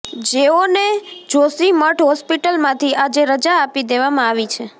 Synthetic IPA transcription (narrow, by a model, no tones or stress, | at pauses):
d͡ʒeoned͡ʒosiməʈʰɦɔspiʈəlmãt̪ʰiʔad͡ʒeɾəd͡ʒaːpid̪eʋamãaʋit͡ʃʰe